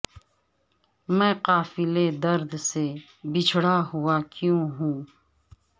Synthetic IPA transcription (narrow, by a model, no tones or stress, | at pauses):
mɛ̃ːqaːfɪled̪əɾd̪se | bɪt͡ʃʰɽaɦʊakjõːɦũː